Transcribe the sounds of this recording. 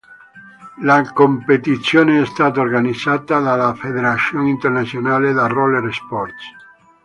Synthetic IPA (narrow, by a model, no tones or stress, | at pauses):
lakompet̪it̪sjoːneɛst̪aːt̪aorɡanid̪zat̪ad̪alafed̪eɾat̪sjoŋint̪ernat̪sjonaːled̪aroleɾspɔrt̪s